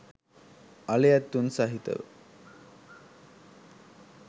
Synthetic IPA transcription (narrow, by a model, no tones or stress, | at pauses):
ɐlejat̪ːunsaɦit̪ə̰ʋ